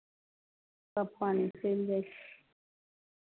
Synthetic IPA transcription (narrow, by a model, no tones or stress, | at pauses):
sapʰwanisɛlɛɬ